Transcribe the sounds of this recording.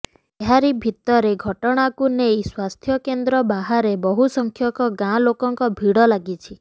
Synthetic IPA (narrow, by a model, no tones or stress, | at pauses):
eɦaɾibʱit̪ɔɾeɡʱɔʈɔɽ̃akunejswast̪ʰjɔkend̪ɾɔbaɦaɾebɔɦusɔŋkʰjɔkɔɡãlokɔŋkɔbʱiɽɔlaɡit͡ʃʰi